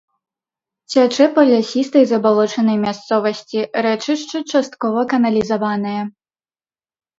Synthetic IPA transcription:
t͡sʲat͡ʂɛpɐlʲasʲist̪ɐjzɐbalˠɔt͡ʂɐnɐjmʲast̪sɔvɐsʲt͡sʲiɾɛt͡ʂɨʂt͡ʂɨt͡ʂast̪kɔvɐkɐnɐlʲizavanɨjɐ

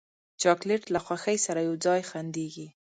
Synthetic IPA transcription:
t͡ʃɑkleʈlaxwaxəjsaɾajawd͡zɑjxand̪eɡi

